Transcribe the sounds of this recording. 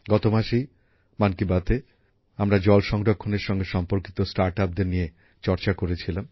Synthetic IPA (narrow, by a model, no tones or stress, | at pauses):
ɡɔt̪omaʃej | mankibat̪e | amɾad͡ʑɔlʃɔŋɾokʰːoneɾʃɔŋɡeʃɔmpoɾkit̪osʈaɾʈap̚d̪eɾnije | t͡ɕɔɾt͡ɕakoɾet͡ɕʰilam